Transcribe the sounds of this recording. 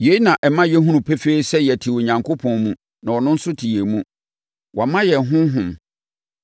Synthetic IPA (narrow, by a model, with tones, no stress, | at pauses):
je˨˦i˦nã˨ʔɛ˨mã˦jɛ˦ɦũ˦nũ˨pʰe˦feː˦i˦sɛ˦jɛ˨tʰi˨wo˨ɲã˨ŋkʰo˦pʰɔ̃˨nmũ˦ | nã˨wɔ˨nʊ̃˦n̩˦sʊ˦tʰi˨e˨mũ˦ | wʔa˨mã˦jɛ˨ɦʊ̃˦ɦʊ̃˨m